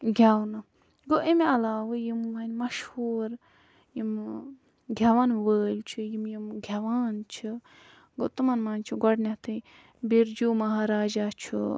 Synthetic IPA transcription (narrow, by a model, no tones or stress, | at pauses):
ɡʱʲawnɐ | ɡoʔimiɐlaːwɨjimːɐnʲmɐʃhuːɾ | jim | ɡʱʲɐʋanʋəːlʲt͡ʃʰɨjimjimɡʱʲɐʋaːnt͡ʃʰi | ɡot̪ɨmɐnmaːnt͡ʃʰiɡɔɽnʲɐt̪ʰɨ | biɾd͡ʒumɐɦaːɾaːd͡ʒaːt͡ʃʰṵ